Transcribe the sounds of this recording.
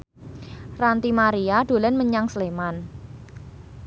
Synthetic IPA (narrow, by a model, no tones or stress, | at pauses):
rant̪imaɾiaɖ̥o̤lɛnməɲaŋsleman